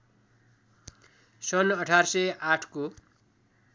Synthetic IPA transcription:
sʌnʌʈʰarsʌjaʈʰko

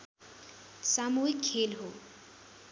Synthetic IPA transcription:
samuɦikʰːelɦo

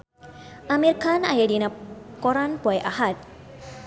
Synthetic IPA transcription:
ʔamirkana̰jadinakɔɾanpuɛʔaɦat̪̚

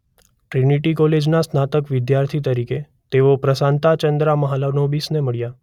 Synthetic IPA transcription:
ʈɾiniʈikoled͡ʒnasnat̪əkʋɪd̪jaɾt̪ʰit̪əɾike | t̪eʋopɾəsant̪at͡ʃənd̪ɾaməɦalanobisneməɭja

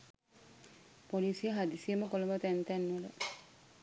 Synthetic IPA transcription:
polisijəɦad̪isijəməkolumət̪ænt̪ænːulə

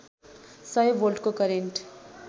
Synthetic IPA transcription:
sʌjbolɖkokʌɾeɳʈ

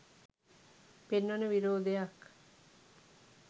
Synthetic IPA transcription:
penʋanəʋiɾoːd̪ejak

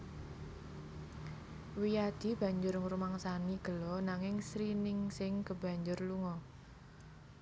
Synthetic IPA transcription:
wijad̪̥i̤b̥ä̤ɲd͡ʒʊrŋuɾumaŋsaniɡ̥ə̤lɔnaŋɪŋsɾinɪŋsɪŋɡəb̥ä̤ɲd͡ʒʊrluŋɔ

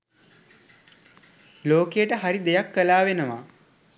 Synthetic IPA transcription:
loːkejəʈəɦaɾid̪ejakːəlaːʋenəʋa̰

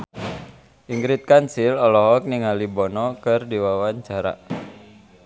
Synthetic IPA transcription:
ʔiŋɡɾit̪̚kansilɔlɔɦɔk̚niŋalibɔnɔkɨrdiwawaɲt͡ʃaɾa̰

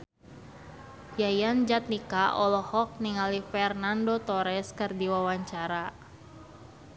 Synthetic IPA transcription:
jajand͡ʒat̪̚nikaʔɔlɔhɔk̚niŋalifɛrnandot̪ɔɾɛskɨrdiwawaɲt͡ʃaɾa

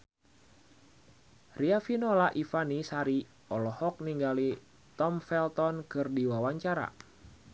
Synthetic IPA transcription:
riafinolaʔifanisaɾi | ɔlɔhɔk̚niŋɡali | t̪ɔmfɛlt̪ɔnkɨrdiwawaɲt͡ʃaɾa̰

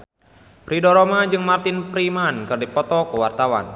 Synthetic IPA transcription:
pɾidɔɾɔmad͡ʒɨŋmart̪ɪnpɾimankɨrdipɔt̪ɔkəwart̪awa̰n

